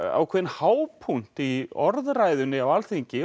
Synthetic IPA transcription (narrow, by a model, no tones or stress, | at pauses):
a̰wkʰvɛːðɪnhaːwpʰun̥t̪iɔɾðraːjðʏnɪawalθiɲcɪ